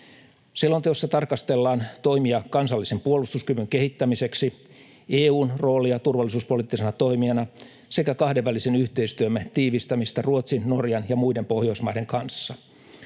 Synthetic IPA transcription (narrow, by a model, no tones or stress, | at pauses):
silːont̪eosːɑt̪ɑrkɑst̪e̞lːɑːnt̪o̞imiɑkɑnsɑlːisempuolust̪uskyʋyŋke̞hit̪ːæmise̞ksi | eːuːnro̞ːlijɑt̪urʋɑlːˑisuːspo̞liːt̪ːisenɑt̪o̞imiɑnɑ | se̞kækɑhdeʋʋælːisenyht̪e̞ist̪yømːæt̪iːʋist̪æmist̪æruot̪sinːorjɑnjɑmuidempo̞hjo̞ismɑide̞ŋkɑnsːɑ